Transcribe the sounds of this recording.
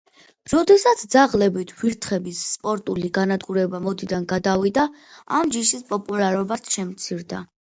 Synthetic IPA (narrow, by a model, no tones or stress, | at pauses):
ɾɔd̪ɛsat̪sʰd̪zaʁlɛbit̪ʰviɾt̪ʰχɛbisːpʼɔɾt̪ʼuliɡanad̪ɡuɾɛbamɔd̪id̪anɡad̪avid̪aamd͡ʒiʃispʼɔpʼulˠaɾɔbat̪ʰʃɛmt̪sʰiɾd̪a